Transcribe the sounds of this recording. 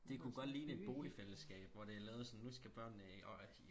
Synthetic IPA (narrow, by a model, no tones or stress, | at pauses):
d̥e̝kʰuɡ̥ɒ̽d̥liːnəe̝d̥̚b̥o̝ːlifel̰əsɡ̥ɛ̰ːb̥ʋɒɾ̥e̝ælɛːʊð̩ˠsɒ̽nːusɡ̥æb̥ɶɐ̰nəɒ